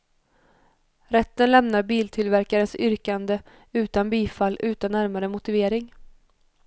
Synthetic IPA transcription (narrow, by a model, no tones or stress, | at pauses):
ɾɛt̪ːənlɛmnaɾbiːlt̪ʰɪlvæɾkaɾənsʏɾkand̪ə | ʉ̟ːt̪anbiːfalːʉ̟ːt̪anːæɾmaɾəmʊt̪ɪveːɾɪŋ